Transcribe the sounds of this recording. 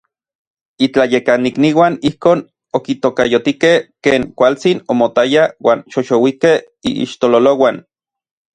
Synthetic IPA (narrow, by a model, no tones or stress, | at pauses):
it͡ɬajekanikniwanihkoːn | okit̪okajot̪ikehkeːŋkʷalt͡sinomot̪ajawaːnʃoʃowikeh | ḭḭʃt̪ololowan